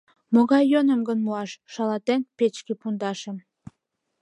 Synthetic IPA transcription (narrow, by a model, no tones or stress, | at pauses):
moɣɑjːonəmɡənmuɑʃʃɑlɑt̪enpet͡ɕkepund̪ɑʃə̆m